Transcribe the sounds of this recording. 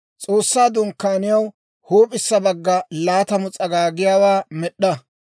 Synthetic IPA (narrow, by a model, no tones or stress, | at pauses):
t͡sʼo̞ːsːaːd̪ʊŋkːaːnɪjɐw | hoːpʼɪsːɐbɐɡːɐlaːt̪ɐmʊt͡sʼɐɡaːɡɪjaːwaːmɛɗːɐ